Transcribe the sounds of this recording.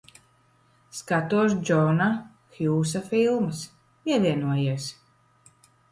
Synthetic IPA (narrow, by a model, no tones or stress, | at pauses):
skat̪uɔʃd͡ʒɔna | xjuːs̬afilˠmɨs | iɛd̪ʲiɛnuɔjiɛs